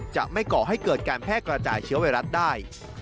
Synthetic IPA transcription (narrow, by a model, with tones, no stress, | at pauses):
t͡ɕa̰˨˩ʔma˥˩jkɔː˨˩ɦa˥˩jkɤː˨˩t̪̚kaː˧npʰɛː˥˩kɾa˧t͡ɕa̰ː˨˩jt͡ɕʰɯ˦˥ɐwa˧ɾa˦˥t̪̚daː˥˩j